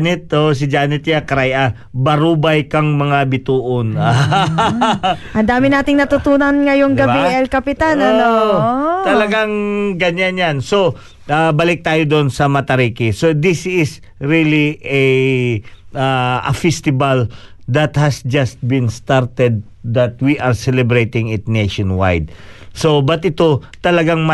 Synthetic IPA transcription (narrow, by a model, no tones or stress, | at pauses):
nɛt̪̚os̬ɪd͡ʒaːnɛt̪̚jakɐɾajʔa | bɐɾuːbajkɐŋmɐŋabɪt̪uːʔona | ʔɐnd̪aːmɪnaːt̪ɪŋnɐt̪ʊt̪uːnɐnŋɐjoŋɡɐbiɛlkɐpɪt̪anɐoot̪ɐlɐɡaŋɡɐɲanjanso | ʔabɐlɪk̚t̪aːjod̪onsɐmɐt̪ɐɾiːkɪsod̪ɪsɪs | ɹiliɛ | ʔaɐ̰fɛst̪ɪbɐld̪ɐt̪̚hɐsd͡ʒɐst̪̚bɪ̃nst̪aɹt̪ɛd̪̚ː | ɐt̪̚wiʔɐɹsɛlɛbɹejt̪ɪ̃ŋɪt̪̚nejʃonwa̰jd̪̚sobɐt̪̚ʔɪt̪o̞t̪ɐlɐɡaŋmɐ